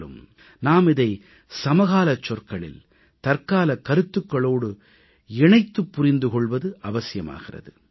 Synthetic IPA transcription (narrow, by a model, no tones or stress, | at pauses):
ɯ̰m | naːmɪðɐɪ | sɐmɐɣaːlɐt͡ʃːɔrkɐɭɪ̰l | t̪ɐrkaːlɐkɐɾɯt̪ːɯkːɐɭoːɽɯ | ɛɳɐɪt̪ːɯpːʊɾɪnd̪ɯkɔɭʋɐðɯʔɐʋɐsɪjɐma̰ːɣɪrɐ̰ðɯ